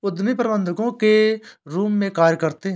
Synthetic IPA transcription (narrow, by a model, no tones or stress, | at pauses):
ʊd̪mipɾbə̃nd̪ʱəɡõːkeɾuːmːẽkaːɾjkəɾt̪eɦ